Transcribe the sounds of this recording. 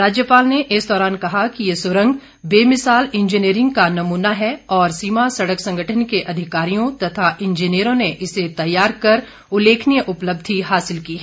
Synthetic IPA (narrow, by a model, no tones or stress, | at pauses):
ɾaːd͡ʒjəpaːlneʔɪsd̪ɔːɾaːnkɐɦakijesʊɾə̃ŋɡ | beːmɪsaːlɪ̃nd͡ʒiniːɾɪ̃ŋɡ̚kanɐmuːnaɦɛɔːɾsiːmasɐɽəksɐ̃ŋɡʱəʈʰənkeʔɐd̪ʱɪkaːɾijõt̪ɐt̪ʰaʔɪ̃nd͡ʒiniəɾõneʔɪset̪ɐjːaːɾkɐɾ | ʊleːkʰnijəʔʊpləb̚d̪ʱiɦaːsɪlkiːɛ